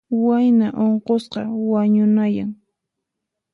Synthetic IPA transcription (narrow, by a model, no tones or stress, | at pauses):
wajnaʔoɴqosqɑ̰waɲʊnajaŋ